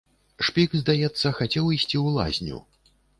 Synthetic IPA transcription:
ʂpʲikzd̪ajɛt̪sːɐxat͡sʲɛwisʲt͡sʲiulˠa̰zʲnʲṵ

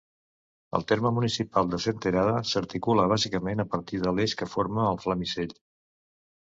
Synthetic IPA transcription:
ə̰lˠt̪eɾməmunisipalˠd̪əsent̪əɾaðəsəɾt̪ikuləβ̞azikəmenəpəɾt̪iðəleʃkəfoɾməːlˠfləmiseʎ

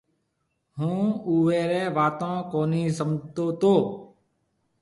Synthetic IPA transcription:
ɦũːuːʋeːɾɛːʋaːt̪õːkoːniːsəmʱt̪oːt̪oː

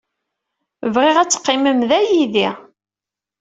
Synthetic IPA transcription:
vʁɪʁæt͡sːə̥qːɪməmðæjiði

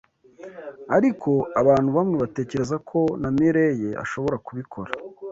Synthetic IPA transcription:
aɾikʰo̞aβaːn̥huβamŋe̞βate̞ːce̞ɾezakʰo̞namiɾeje̞a̰ʃo̞βo̞ɾakuβikʰo̞ɾa

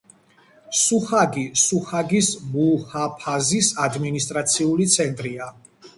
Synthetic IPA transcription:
suχaɡisuχaɡismuhapʰazisad̪minist̪ʼɾat̪sʰiulit̪sʰɛnt̪ʼɾia

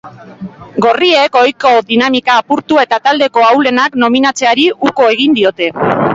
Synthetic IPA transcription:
ɡo̞rie̞ko̞jko̞ðinamikaːpuɾt̪ue̞t̪at̪ald̪e̞ko̞awle̞nakno̞minat͡se̞aɾiuko̞e̞ɣ̞ind̪io̞t̪e̞

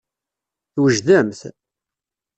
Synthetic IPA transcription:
θwəʒðæmθ

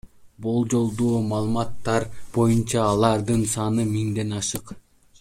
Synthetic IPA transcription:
bulˠd͡ʒo̞lˠd̪uːmɑːlˠɯmɑt̪ːɑɾbo̞junt͡ʃɑːlˠɑɾd̪ɯnsɑnɯmiŋd̪e̞nɑʃɯq

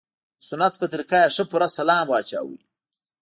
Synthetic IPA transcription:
sʊnat̪̚pət̪ɪɾikajaʂəpʊɾasalɑːmwɑːt͡ʃa̰ːwḭ

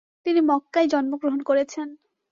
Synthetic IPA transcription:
t̪inimɔkːajd͡ʑɔnmoɡɾoɦonkoɾet͡ɕʰen

